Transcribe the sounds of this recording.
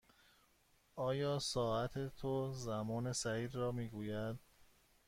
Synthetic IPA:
ʔɒːjɒːsɒːæt̪ʰet̪ʰozæmɒːne̞sæiːd̪rɒːmiːɡuːjæd̪̥̚

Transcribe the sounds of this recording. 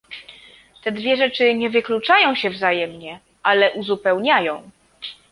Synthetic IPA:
t̪ɛd̪vʲjɛʐɛt͡ʂɘɲɛvɘklut͡ʂajɔ̃w̃ɕɛvzajɛmɲɛ | ʔalɛʔuzupɛwɲajɔ̃w̃

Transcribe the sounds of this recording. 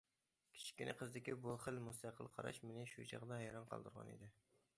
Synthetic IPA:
kʲʰi̥t͡ʃʰi̥kʲinɪqʰəzd̪ɪkʲibuχəlmust̪ʰɑqʰəlˠqʰɑ̰ɾɑ̰ʃmenɪʃud͡ʒʰɑ̰ʁd̪ɑɦɛjɾɑnqʰɑ̰lˠd̪uɾʁɑ̰nḭd̪ɪ

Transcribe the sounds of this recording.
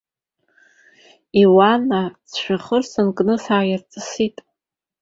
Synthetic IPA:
iwanat͡sʰʃʷᶣaχərsɨnkʼnɨsaːjart͡sʼɨsitʼ

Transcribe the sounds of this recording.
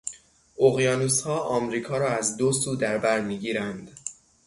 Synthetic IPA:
ʔoɣjɒːnushɒːʔɒːmɾiːkʰɒːɾɒːæzd̪osuːd̪æɾbæɾmiːɡiːɾænd̪

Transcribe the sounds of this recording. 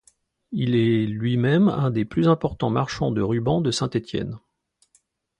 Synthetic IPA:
ilɛlɥimɛmɛ̃d̪eplyzɛ̃pɔʁt̪ɑ̃maʁʃɑ̃d̪əʁybɑ̃d̪əsɛ̃t̪et̪jɛ̰n

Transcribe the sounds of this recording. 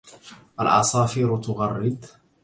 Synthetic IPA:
ʔalʔɑ̰sɑːfiːɾʊt̪ʊɣɑrˤːɪd̪

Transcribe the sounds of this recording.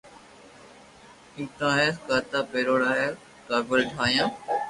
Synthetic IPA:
ĩːt̪ãːɦeːkaːɾt̪aːpeːɾoːɽaːɦe | kaːɾpoːɾeːʈɦaːjãː

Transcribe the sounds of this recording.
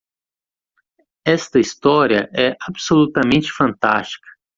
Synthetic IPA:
ɛst̪ɐist̪ɔɾiɐ̰ʔɛʔabsolut̪ɐmẽnt͡ʃɪ̥fɐ̃nt̪a̰st͡ʃi̥kɐ̥

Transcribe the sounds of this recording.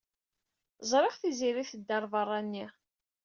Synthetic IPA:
zˤɾˤeχθiziɾiθəd̪ːɑɾˤvɑrˤːanːi

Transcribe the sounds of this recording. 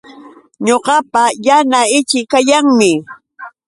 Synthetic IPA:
ɲoɢɑpajanaɪt͡ʃɪkajaŋmɪ

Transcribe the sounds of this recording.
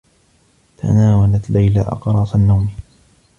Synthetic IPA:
t̪ʰa̰naːwalat̪lajlaʔɑ̰qɾˤɑːsanːawmi

